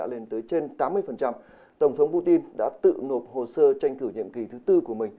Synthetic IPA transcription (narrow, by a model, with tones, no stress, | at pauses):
a̰ː˧˥le˨˧˦nt̪əː˨˦jt͡ɕe˧nt̪aː˨˦mːɨ˧əjfə˨˩nt͡ɕa˧m | t̪ə˧˩wŋ͡mt̪ʰə˨˦wŋ͡mpu˧t̪i˧nɗa̰ː˧˥t̪ɨ̰˧˨no˨˩p̚ho˨˩səː˧t͡ɕa˧jŋ̟kɨ˧˩ɲḭ˧˨əmki˨˩t̪ʰɨ˨˦t̪ɨ˧ku˧˩əmï˨˩ŋ̟